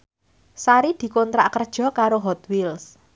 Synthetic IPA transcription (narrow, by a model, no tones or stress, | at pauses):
saɾid̪̥i̤kɔnt̪ɾa̰ʔkərd̥ʒ̥ɔ̤kaɾoɦɔt̪wils